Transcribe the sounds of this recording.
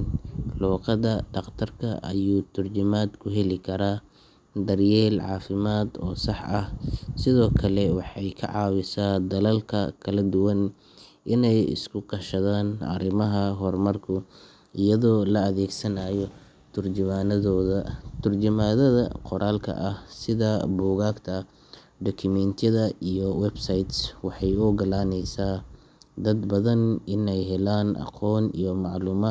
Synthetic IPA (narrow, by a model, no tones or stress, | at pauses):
nlɔːqɑðɐɖɑqt̪ʰɐrkʰɐʔɐ̰juːt̪ʰʊrt͡ʃɪmaːd̪kʰʊɦɛlɪkʰɐɾaː | d̪ɐrjɛːlʕɑːfɪmaːd̪ɔːsɑħʔɐhsɪðɔːkʰɐlɛwɑħɑjkʰɐ̰ʕɑːwɪsaːd̪ɐlɐlkʰɐkʰɐlɐd̪ʊwɐn | ʔɪnɛjɪ̰skʰʊqɑʃɐðaːnʔɐ̰ɾɪmɐɦɐɦɔrmɐrkʰʊ | ɪjɐðɔːlɐɐðɛːɡsɐnaːjɔ | t̪ʰʊrd͡ʒɪmaːnɐðɔːðɐt̪ʰʊrd͡ʒɪmaːðɐðɐ̰qɔɾaːlkʰɐ̰ʔɐhsɪðɐbuːɣaːɡt̪ʰɐ | d̪ɔkʰʊmɛnt̪ʰɐðɐijɔwɛbsɐjt̪swɑħɑjʊɡɐlaːnɛjsaː | d̪ɐd̪bɐðɐnɪnɛjɦɛlaːnʔɑ̰qʰɔːnḭjɔmɑʕluːmaː